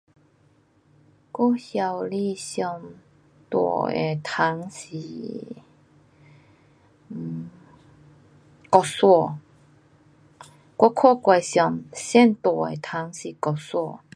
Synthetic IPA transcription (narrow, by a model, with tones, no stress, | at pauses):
kɔ˥˦hja˨˧˩wli˥˧sjɔ˧˩m | t̪wɔ̰˨˩ḛ˨˩t̪ʰa˨˦ŋsi˨˩˨ | kɔ˨˩swɔ˧˩ | kwɔ˧˦kʰɔ˥˧kwa˧˩sjɔ˨˩msɛ˥˨nt̪wɔ˨˩ḛ˨˩t̪ʰa˨˧˦ŋsi˨˩kɔ˨˩swɔ˧˨